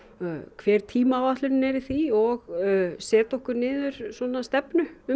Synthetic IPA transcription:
kʰvɛːɾ̥t̪ʰiːmawaht̪lʏnɪnɛɾɪθiɔɣsɛːt̪ɔhkʏɾnɪːðʏɾ̥sɔnast̪ɛpnʏʏ

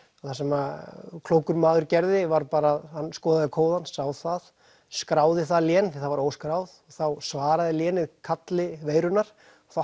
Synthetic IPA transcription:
aθasɛmakʰloːwkʏɾmaːðʏɾcɛɾðɪvaɾpaːɾaːðhanːskɔːðaðɪkʰoːwðansawθað | skɾaːwðɪθaðljɛːnθɪ̥θavaɾoːwskɾaːwðɔɣθawsvaːɾaðɪljɛːnɪkʰat̪lɪveːjɾʏnːaɾ̥ | θaw

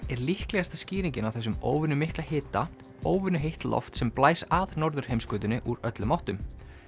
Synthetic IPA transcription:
ɛɾlihklɛɣast̪asciːɾiɲcɪnawθɛsːʏmo̰ːwvʏnːʏmɪhklahɪːt̪a | oːwvʏnːʏɦejht̪lʔɔ̰ft̪sɛmplaːjsaðnɔɾðʏɾ̥hejmskʏːt̪ʏnːɪʔuɾœt̪lʏmɔwht̪ʏm

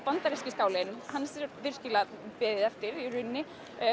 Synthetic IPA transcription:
pant̪aɾɛscɪskaːwlɪnhansvɪɾ̥scɪla | pɛːðɪðɛft̪ɪɾirʏnːɪ

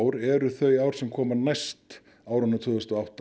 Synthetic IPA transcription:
wɾɛɾʏθœɥjaːwɾ̥sɛmkʰɔːmanajst̪ | aːwɾʏnːat̪ʰvʏːðʏst̪ɔawht̪

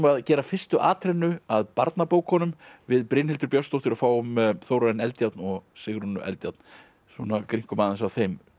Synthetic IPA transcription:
maðcɛːɾafɪr̥st̪ʏʔa̰ːt̪ʰɾɪnːʏaðpaɾt̪napoːwkʰːɔːnʏmvɪðpɾɪːnhɪlt̪ʏɾpjɔwst̪owht̪ʰɪɾafaːwʏmθoːwɾaɪnɛlt̪jat̪nɔɣsɪɣɾɔnːʏʔɛ̰lt̪jat̪n̥ | sɔnakɾiŋ̥kʏmaːðɪnsawθejm

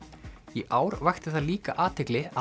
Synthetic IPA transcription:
iʔaːwɾvajxt̪ɪθaðliːkaʔaːt̪ʰɪjklɪa

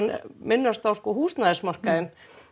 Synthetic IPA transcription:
nmɪnːast̪awskɔːhuːst̪naðɪsmar̥kaðɪn

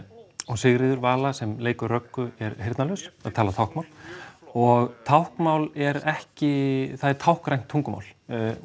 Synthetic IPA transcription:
ɔɣsɪɣɾɪðʏɾvaːlasɛmleːjkʏrrœkːʏɛɾɦeɪjɾt̪nalœsaðt̪ʰaːlat̪ʰawhkmawlɔɣt̪ʰawhkmawlɛɾɛhcɪθaðɛɾt̪ʰawhkɾajŋ̥t̪ʰːuŋkʏma̰wl̥

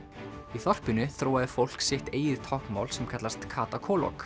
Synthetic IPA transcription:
iθɔr̥pɪnʏθɾoːwaðɪfowl̥ksɪht̪eːjɪðt̪ʰɔhkma̰ːwlsɛmkʰat̪last̪kʰaːt̪akʰɔːlɔ̰k

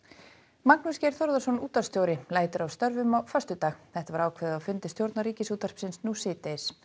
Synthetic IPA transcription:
maknʏscɛɾ̥θɔɾðasɔnuːt̪ḁst̪jowɾɪlaːjt̪ʏɾawst̪œɾvʏmawfœst̪ʏt̪aːxθɛht̪avaɾaːwkʰvɛðɪawfʏnt̪ɪst̪jowɾt̪naɾiːcɪsuːt̪ar̥psɪnsnuːsɪːt̪es

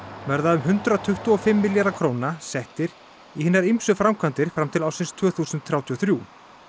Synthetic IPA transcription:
mɛɾðaʏmɦʏnt̪ɾat̪ʰʏht̪uɔfɪmːɪljaɾakʰɾownasɛht̪ɪɾ̥ | ihɪnːaɾijmsʏfɾamkʰvant̪ɪɾ̥fɾamt̪ʰɪlawsɪnst̪ʰv̥œːθusʏnt̪θɾawt̪ʰiɔθɾjuː

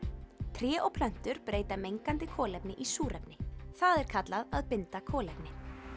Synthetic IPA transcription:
t̪ʰɾjɛːʔowpʰlœn̥t̪ʏɾpɾeːjt̪amejŋkant̪ɪkʰɔːlɛpnɪʔisuːɾɛpnɪθaðɛɾ̥kʰat̪laðaðpɪnt̪akʰɔːlɛpnɪ

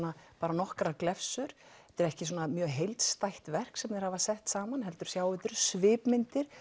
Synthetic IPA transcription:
napaːɾanɔhkɾaklɛfsʏɾ̥ɛt̪ɪɾɛhcɪsuːnamjœːɦejlt̪st̪ajht̪vɛr̥ksɛmnɛjɾ̥havasɛht̪saːmanɦɛlt̪ʏɾ̥sjaːwvɪt̪ʏɾ̥svɪːpmɪnt̪ɪɾ̥

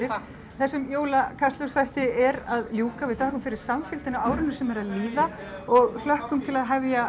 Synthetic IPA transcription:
ɪɾ | θɛsːʏmjoːwlakʰast̪lœsθajht̪ɪɛɾaðljuːkavɪðθɔːhkʏmfɪɾɪɾ̥samfɪlt̪ɪnawaːwɾʏnʏsɛmɛɾaðliːða | ɔɣl̥œhkʏmt̪ʰɪlaðɦɛvja

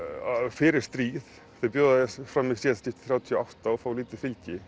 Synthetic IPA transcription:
fɪːɾɪɾ̥st̪ɾiːð̥ | θejpjœːðaðɪfɾamːisiːascɪft̪θɾaːwt̪ʰiɔawht̪aɔfaːwliːt̪ɪfɪlcɪ

